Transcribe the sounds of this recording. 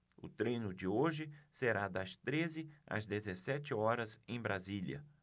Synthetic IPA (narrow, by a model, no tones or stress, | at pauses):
ʊ̰t̪ɾẽjnʊd͡ʒɪoʒɪseɾad̪ɐst̪ɾezɪɐ̰zd̪ezesɛt͡ʃɪɔɾɐzẽj̃bɾaziljɐ̰